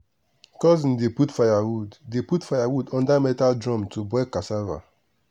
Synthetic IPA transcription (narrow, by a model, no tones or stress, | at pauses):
kɔzĩn̩deputfajawuddeputfajawudɔ̃ndamɛtaldɹɔ̃mtʰubɛkasava̰